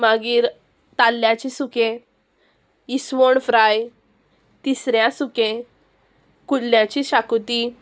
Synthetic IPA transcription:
maɡiːɾ | t̪alːjãt͡ɕisukẽ | isʋoɳfɾaj | t̪isɾjãsukẽ | kulːjãt͡ɕiɕakut̪i

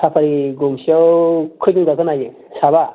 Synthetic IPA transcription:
sʰapʰaɾiɡumsiawkʰɯjdɯŋɡakʰɯnajɯŋ | saβa

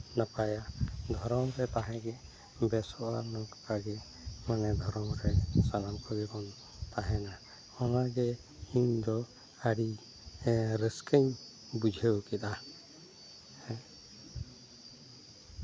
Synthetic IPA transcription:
napajad̪ʱɔɾɔmɾɛp̪aɦɛ̃ɡɛ | bɛsɔʔaɾnɔkpaɡɛ | manɛd̪ʱɔɾɔmɾɛsalamkɔbɛkɔn | t̪aɦɛna | ɔnaɡɛ | hind̪ɔ | aɽi | ɾəskəɲ | bud͡ʒʱɛwkɛɗ̪a | hɛ̃

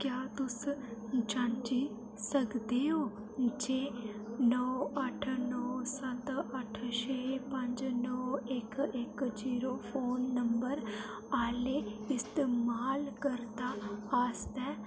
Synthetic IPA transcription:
kjaːt̪ʊsd͡ʒant͡ʃiː | səkd̪eːoː | d͡ʒeː | nɔːəʈʰnɔːsət̪əʈʰʃeːpəɲd͡ʒnɔːɪkɪkd͡ʒiːɾoːpʰoːnːəmbəɾ | aːleːɪst̪eːmaːlkəɾd̪aːaːst̪ɛː

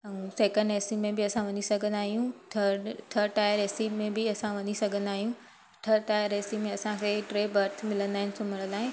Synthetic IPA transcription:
ɛ̃seːkə̃ɳɖeːsimẽbɪɐsãʋɐɲisɐɡʱə̃nd̪aːɦijũt̪ʰəɖt̪ʰəɾʈaːjəɾeːsimẽbɪɐsãʋɐɲisɐɡʱə̃nd̪aːɦijũ | ʈʰɐɾʈaːjəɾeːsimẽɐsãkʰeːʈɾeːbɐɾt̪ʰmɪlə̃nd̪aːɪ̃nɪ̆sʊməɽ̃ə̃laːɪ̃

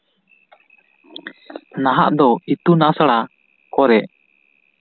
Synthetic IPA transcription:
naɦa̰ʔd̪ɔit̪unasaɽa | kɔɾɛʔ

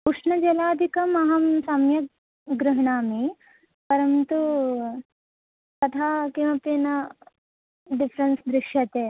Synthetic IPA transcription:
kuʂɳɐd͡ʒɐlaːd̪ʱikɐmɐɦɐmsɐmjɐ | ɡɾuɦɐɳaːmi | pɐɾɐnt̪u | k̪ɐt̪ʰaːkiʋɐpinɐ | ɖifʰɾɐnsd̪ɾikʂjɐt̪eː

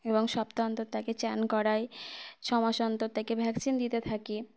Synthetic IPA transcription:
eboŋʃɔpt̪ant̪ot̪aket͡ɕɛnkɔɾajʃɔmaʃɔnt̪ot̪akebʱɛksind̪it̪et̪ʰaki

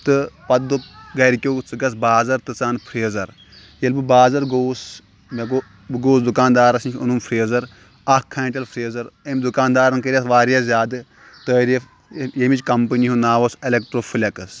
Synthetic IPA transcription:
t̪ɨpɐd̪ɨɡɐɾikʲoːt͡sɨɡɐsbaːzɐɾt̪ɨt͡saːnpʰɾeːzɐɾ | jɐlbɨbaːzɐɾɡoːs | meɡo | ɡoːsd̪ukaːnd̪aːɾɐsinʲkʰʲṵnumfʰɾeːzɐɾ | ɐkʰːaːɳʈɐlpʰɾeːzɐɾɐmd̪ukaːnd̪aːɾɐnkɐɾʲɐsʋaːɾjazʲaːd̪ɨ | t̪əːɾif | jemit͡ʃʲkɐmpɨniɦunaːʋoselʲekʈɾoːfʰɨlʲɐkɐs

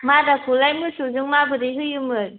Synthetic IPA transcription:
madakʰulajmɯsuzɯŋmabɯdiɦɯjɯmɯɾ

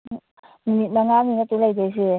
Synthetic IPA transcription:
minit̚maŋaninatɯlajdejs̬i

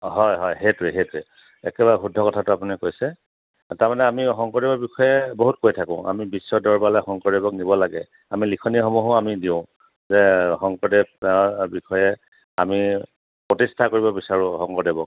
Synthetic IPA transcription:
ɦɔjɦɔjɦetɹɛɦetʊɛ | ɛkɛbaɹɛxudʱːɔkɔtʰatʊapunikojsɛ | taɹmanɛamixɔŋkɔdebɔɹbixɔjɛboɦut̚kojtʰakʊ̰̃ʔa̰mibisːɔdɔɹbalɛxɔŋkɔɹdebɔknibɔlaɡɛ | amilikʰɔnixɔmuɦʊamidiʊ̃ | zɛxɔŋkɔdeb̚bixɔjɛ | ami | pɹɔtistʰakoɹibɔbisaɹʊ̃xɔŋkɔdebɔk̚

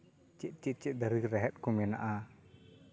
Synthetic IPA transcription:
t͡ʃiʔ̪̚ˀt͡ʃit̪̚t͡ʃɛʔ̪̚ˀd̪əɾikɾɛɦɛt̪̚kɔmɛna̰ʔa

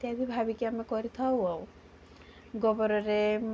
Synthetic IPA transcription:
t̪jad̪ʱibʱabikjamẽkɔɾit̪ʰawɔw | ɡɔbɔɾɔɾem

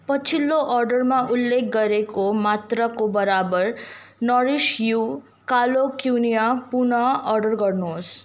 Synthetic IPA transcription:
pət͡ʃʰilːoʔɔɾɖəɾmãʔulːek̚ʰɡəɾekomat̪ɾəkobəɾabəɾ | nɔɾiʃju | kalokjunijapuɳəɔɾɖəɾɡəɾnus

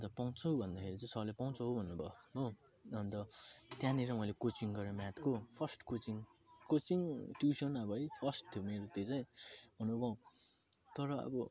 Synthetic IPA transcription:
ʌnt̪ʌpaw̃t͡sʰʌwbʱʌnd̪akʰeɾit͡sʌ̃j̃sʌʌlepaw̃t͡sʰʌɦobʱʌnːubʱʌɦo | ʌnt̪ʌt̪jãniɾʌmʌjlekot͡siŋɡʌɾemjat̪kopʰʌsʈkot͡siŋkot͡siŋʈjusʌnʌbʌʌjpʰʌsʈt̪ʰjomeɾot̪et͡sʌj̃bʱʌnubʌũ | t̪ʌɾʌʌ̰bʌ

